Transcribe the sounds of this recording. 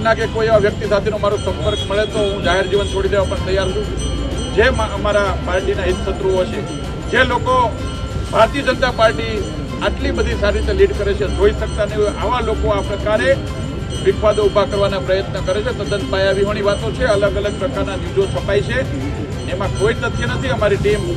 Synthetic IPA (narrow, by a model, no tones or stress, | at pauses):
naɡekoieʋaʋjək̚t̪isat̪ʰenũmaɾosə̃mpəɾkməɭet̪oɦũd͡ʒaɦeɾd͡ʒiʋənt͡ʃʰoɽid̪eʋãpəɳt̪əjaɾɦət͡ʃʰũud͡ʒemaəmaɾapaɾʈinaɦɪt̪sət̪ɾuəʃe | d͡ʒeloko | bʱaɾt̪iəd͡ʒənt̪apaɾʈi | aʈlibəd̪ʱisaɾiɾit̪eliɖkəɾet͡ʃʰed͡ʒoiʃək̚t̪anəʔaʋãlokoapɾəkaɾe | ʋɪkʰʋad̪oubʱakəɾʋanapɾəjət̪nəkəɾet͡ʃʰet̪od̪ənbajaʋiɦoɳ̃iʋat̪ot͡ʃʰeələɡələɡ̚pɾəkaɾnad͡ʒid͡ʒot͡ʃʰəpait͡ʃʰe | emãkoit̪ət̪ʰinət̪ʰiəmaɾiʈim